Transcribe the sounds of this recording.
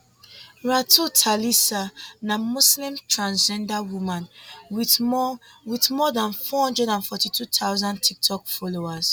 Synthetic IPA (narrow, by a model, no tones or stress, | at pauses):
ɹatʰutʰalisanamuslĩmtɹãnd͡ʒɛ̃ndawumãnwi | witmɔdãnfɔhɔ̃ndɹɛdãnfɔtitʰutʰawzãntʰik̚tʰɔkfɔloas